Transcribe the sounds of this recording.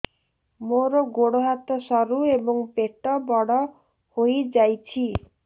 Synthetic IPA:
moɾɔɡoɽoɦat̪ɔsɔɾuebɔŋpeʈɔbɔɽɔ | hojd͡ʒajt͡ʃʰi

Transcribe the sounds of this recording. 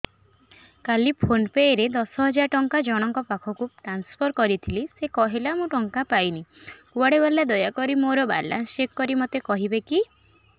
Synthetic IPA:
kalipʰonpeeɾed̪ɔsɔɦɔd͡ʒaɾʈɔŋkad͡ʒɔɽ̃ɔŋkɔpakʰɔkuʈɾanspʰɔɾkɔɾit̪ʰilisekɔɦelamũʈɔŋkapajnikuaɽebalːad̪ɔjakɔɾimoɾɔba̰la̰nsekːɔɾimot̪ekɔɦibeki

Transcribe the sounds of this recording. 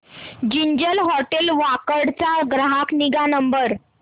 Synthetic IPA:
d͡ʑiɲd͡ʑəlɦɔʈelʋakəɽt͡saɡɾaɦakniɡanəmbəɾ

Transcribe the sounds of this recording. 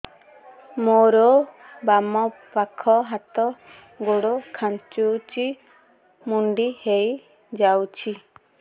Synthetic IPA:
moɾɔ | bamɔpakʰɔɦat̪ɔ | ɡoɽokʰant͡ʃut͡ʃi | muɳɖihej | d͡ʒawt͡ʃʰi

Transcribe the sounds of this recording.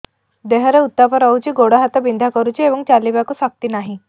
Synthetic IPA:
d̪eɦəɾeut̪ːapəɾawt͡ɕiːɡoɽaɦat̪abind̪ʱakəɾut͡ɕieʋəŋt͡ɕalːibjakusək̚t̪iːnaɦi

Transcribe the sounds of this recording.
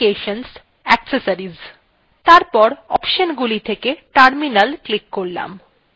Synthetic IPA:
eʃons | ɛksesaɾiz | t̪aɾpɔɾɔpʃonɡulit̪ʰekeʈaɾminalklikːoɾla̰m

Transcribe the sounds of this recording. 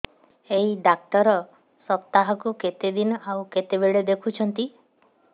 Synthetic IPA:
eɦiɖak̚t̪ɔɾɔ | sɔpt̪aɦɔkuket̪ed̪inɔawket̪ebeɭed̪ekʰut͡ʃʰɔnt̪i

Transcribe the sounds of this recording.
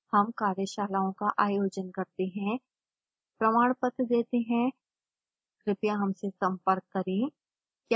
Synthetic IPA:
hɐmkaːɾjəʃaːlaːõkaʔaːjoːd͡ʒənkɐɾt̪eɦɛ̃ | pɾɐmaːɽ̃pət̪d̪eːt̪eɦɛ̃ | kɾɪpjaɦɐmsesɐ̃mpəɾkːɐɾĩ | kja

